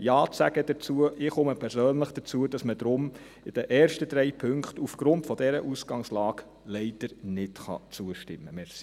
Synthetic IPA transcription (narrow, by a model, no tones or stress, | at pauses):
jɑːt͡sæɡ̥əd̥ət͡suəʔɪχʊməpʰɛɾsøːnləχd̥ət͡suəd̥ɑsməd̪ɾʊm | ɪd̥əʔɛːrʃtəd̥̪ɾɛɪpʰɵŋkχtufɡ̥ɾʊntfɔd̥ɛɾəʔusɡ̥ɑŋslɑːɡ | lɛɪd̥əɾnɪtχɑ̰t͡suəʃtɪmːəmɛɾsi̥